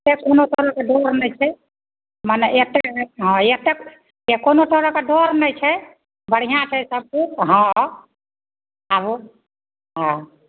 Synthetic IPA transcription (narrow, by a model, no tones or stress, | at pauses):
t̪ekonoʈɔɾɔkeɖʱoɾnɛt͡ʃʰɛ | manɛet̪ːeɦɔ̃jet̪ek | ekonoʈɔɾɔkeɖʱoɾnəjt͡ʃʰɛ | bəɽ̤ijãt͡ʃʰɛsəb̚kukɦɔ̃ | abo | ɦã